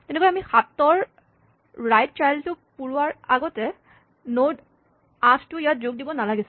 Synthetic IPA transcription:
tɛnɛɡoɛamixatːɔɹ | ɹajt̚t͡ʃajltʊ | puɹuaɹaɡɔtɛ | nod | ãsʰtʊijat̚zoɡ̚dibɔnalaɡisʊ̥

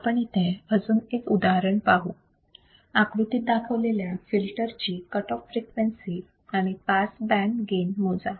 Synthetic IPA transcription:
pəɳit̪ɛ̃əd͡zuːnekud̪aɦɾəɳpaɦu | akɾut̪iːt̪̚d̪akʰəʋleljafilʈəɾt͡ɕiːkəʈɔfːɾikʋensiː | aɽ̃ipasbæ̃ɳɖɡenmod͡za

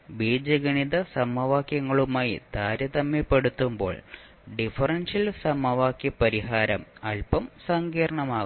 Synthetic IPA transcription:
biːd͡ʑɐɡɐɳiðɐsɐmɐʋaːkjɐŋːɐɭumaːjḭd̪ʱaːɾjɐðɐmːipːe̞ɽut̪ːumbo̞̰ːɭ | ɖifɐrɐnʂɐlsɐmɐʋaːkjɐpːɐɾiɦaːɾɐmɐlpɐmsɐŋɡiːɾɐɳɐmaː

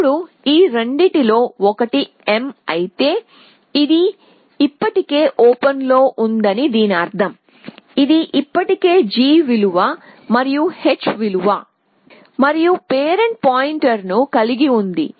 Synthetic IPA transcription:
ɽu | iːɾɐɳɖiʈilo̞ːɔkɐʈi | emɐjit̪e̞ː | id̪i | ipːɐʈike̞ːʔoːpɐnlo̞ːʔund̪ɐnid̪iːniɐːɾt̪ʰɐm | id̪iʔipːɐʈike̞ːd͡ʒiːʋiluʋaː | mɐɾijuhe̞t͡ʃːʋiluʋaː | mɐɾijupeːɾeɳ̚paːjiɳʈɐɾnukɐliɡiund̪ḭ

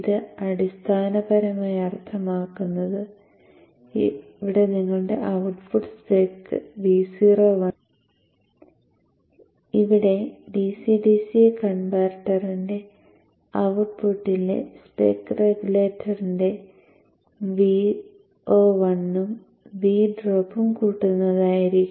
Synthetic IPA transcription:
ðɨɐɽist̪ʰaːnɐbɐɾɐmaːjɐrt̪ʰːɐmaːkːunːɐðɨ | ʋiɽe̞niŋːɐɭɖe̞̰ʔɐwʈpuʈspeːkːɨ̰ʋiːsiːroʋɐ | iʋiɽe̞ɖisiɖisikɐɳbaːrʈːɐrinde̞ | ɐwʈ̚puʈːilḛspḛːkːreɡuleːtːɐrinde̞ | ʋi | o̞ːʋɐnːum | ʋiːɖroːpːumkuːʈːunːɐðaːjiɾikʲː

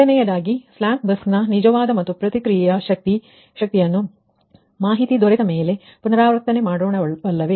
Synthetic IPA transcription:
ɐnɛjɐd̪aːɡiflaːŋk̚b̪ɐsnɐnid͡ʒɐʋaːd̪ɐmɐt̪ːupɾɐt̪ikɾijjɐʃɐk̚t̪i | ʃɐk̚t̪ijɐnːu | maːɦit̪id̪oɾed̪ɐme̞ːle̞ | punɐɾaːʋɾt̪ːɐne̞maːɽoːɳɐɐlːɐʋe

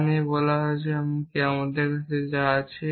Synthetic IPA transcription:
niebɔlaɦoet͡ɕeamkeamad̪eɾkatʰed͡ʑaat͡ɕʰe

